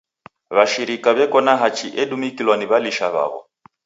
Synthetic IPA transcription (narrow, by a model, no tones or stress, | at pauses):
βaʃiɾikaβɛkɔnaɦat͡ʃiʔɛɗumikilwaniβaliʃaβa̰βɔ̰